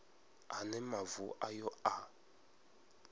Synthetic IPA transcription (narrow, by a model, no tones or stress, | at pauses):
anɛmavuʔajɔa